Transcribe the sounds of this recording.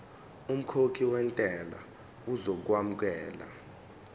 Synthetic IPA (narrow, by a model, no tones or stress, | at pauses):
um̩kʰokʰiwɛntʼɛla̰ | uzok̬wamuk̬ɛːla̰